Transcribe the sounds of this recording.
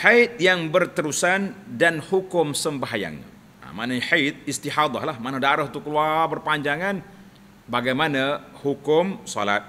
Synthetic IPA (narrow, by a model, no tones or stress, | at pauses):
ħajt̪̚jaŋbərt̪əɾusandanhukʊmsəmbaɦaja̰ŋ | a̰manaɲħajt̪̚ɪst̪iħad̪ˤɑ̰hlahmanadaɾʊht̪ukəluarbərpaɲd͡ʒaŋan | baɡajmanahukʊmsɔ̰la̰t̪̚